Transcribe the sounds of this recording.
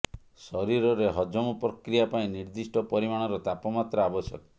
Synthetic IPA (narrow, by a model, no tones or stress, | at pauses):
sɔɾiɾɔɾeɦɔd͡ʒɔmɔpɾɔkɾijapaĩniɾd̪isʈɔpɔɾimaɽ̃ɔɾɔt̪apɔmat̪ɾɔabɔsjɔ̰kɔ